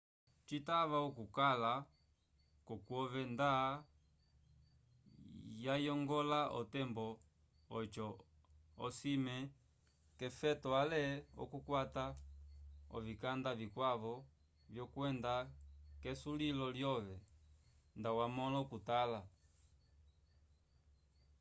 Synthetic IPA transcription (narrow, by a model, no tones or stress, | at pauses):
t͡ʃitavaɔkukala | kɔkwɔvɛnda | jajɔŋɡɔlaʔɔ̰tɛmbɔ | ɔt͡ʃɔ | ɔsimɛ | kɛfɛtɔalɛɔ̰kukwata | ɔ̰vikandavikwavɔ | vjɔkwɛndakɛsulilɔljɔvɛ | ndawamɔlɔkutala